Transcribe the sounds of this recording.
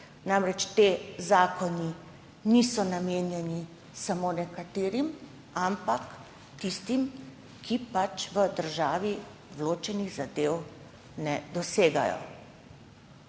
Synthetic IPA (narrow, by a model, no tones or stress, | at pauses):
namɾɛt͡ʃt̪eːzaːkɔni | nisɔnameːnjɛni | samoːnɛkat̪eːɾim | ampak | t̪ist̪im | kʰipat͡ʃʋəd̪əɾʒaːʋi | ʋloːt͡ʃɛniɣzad̪eːw | nɛd̪ɔseːɡa̰jɔ̰